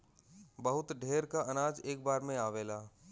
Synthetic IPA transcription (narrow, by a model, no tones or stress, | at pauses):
bɐɦʊt̪ɖʱeːɾkaʔɐnaːd͡ʒeːk̚baːɾmẽaːʋeːlaː